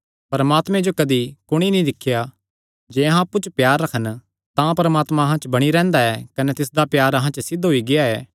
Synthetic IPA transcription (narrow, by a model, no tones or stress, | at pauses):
pɐɾmaːt̪mɛ̃d͡ʒokɐd̪ikʊɽ̃inĩd̪ɪkʰːja | d͡ʒɛːɐɦãːpːut͡ʃəpjaːɾːɐkʰən | t̪ãpɐɾɐmaːt̪mãɐɦãt͡ʃbɐɽ̃iɾɛ̃ːnd̪aɛːkɐnɛt̪ɪsd̪apjaːɾɐɦãt͡ʃəsɪd̪ɦoiɡɪjaɛː